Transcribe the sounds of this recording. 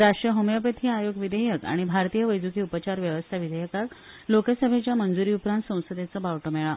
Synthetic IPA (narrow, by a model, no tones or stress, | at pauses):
ɾaʂʈɾəɦomjəpət̪ʰiːajoɡʋid̪əjəka̰ɽ̃ibʱaɾt̪ijəʋəjd͡zukiːupət͡ɕaɾʋjəʋəst̪ʰaʋid̪ʱəjəkat̪ | lokəsəbʱet͡ɕjamənd͡zuɾiːupɾãnt̪sə̃w̃səd̪jet͡səbaʋʈomɛɭa